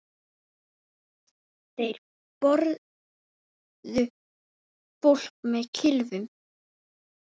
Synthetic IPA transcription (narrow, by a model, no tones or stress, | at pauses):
θejɾ | pɔɾ | ðʏ | pol̥k̚mɛðcʰɪlvʏm